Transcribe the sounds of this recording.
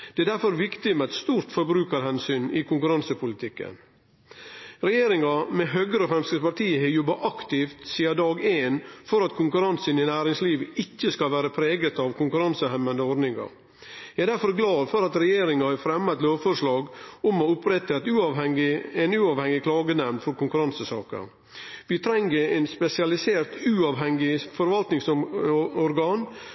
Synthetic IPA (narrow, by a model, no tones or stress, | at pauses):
d̪̥ɛɛd̪æɾfɔɾʋɪkt̪ɪmɛæt̪st̪uːɾt̪fɔɾbɾʉːkəɾhɛnsyːnɪkʊŋkʉɾɑnsəpʰʊlɪt̪ʰɪkːə̰n | ɾɛjeːɾɪŋɑmɛɦøːɡəɾəɔfɾɛmskəpɑɾʈ̪ʰiːəhɪjɔbːɑʔɑkt̪ɪft̪siːɑd̪ɑːɡeːnfɔɾɑt̪kʰʊŋkʉɾɑnsənɪnæːɾɪŋsliːʋɪçːəskɑlʋæːɾəpʰɾeːɡət̪ɑʋkʰʊŋkʉɾɑnsəhɛmːənd̪əɔɖnɪŋɑ̰ɾ | jæd̪æɾfɔɾɡlɑːd̪fɔɾɑt̪ɾɛjeːɾɪŋɑhɑfɾɛmːɑt̪loːʋfɔɾʂɭɑːɡɔmɔʊpɾɛt̪ːəɛt̪ʉːɑʋɛŋɪɛnʉːɑːʋhɛŋːɪkʰlɑːɡənɛmnd̪fɔɾkʊŋkʉɾɑnsəsɑ̰ːkə̰ | ʋɪt̪ʰɾɛŋəɛnspɛsɪɑlɪseːɾt̪ʉːɑʋɦɛŋɪfɔɾʋɑlt̪nɪŋsɔɔɾɡɑːn